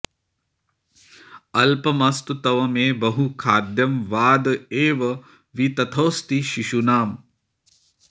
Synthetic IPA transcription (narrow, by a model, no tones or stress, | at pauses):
ɐlpɐmɐst̪ut̪ɐʋɐmeːbɐɦukʰaːd̪jɐmʋaːd̪eːʋɐ | ʋit̪ɐt̪ʰoːst̪iʃiʃunaːm